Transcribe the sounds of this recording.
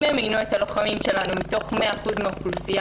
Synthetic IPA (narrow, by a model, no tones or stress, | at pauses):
eemiɡnuet̪alo̞χamimʃe̞lanumit̪o̞χme̞aːχuzmeaχulusia